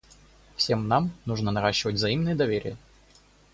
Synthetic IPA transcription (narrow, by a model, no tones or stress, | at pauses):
fsʲe̞mnamnuʐnənɐɾaɕːɪvətʲvzɐimnɨjəd̪ɐvʲeɾʲɪ̰jə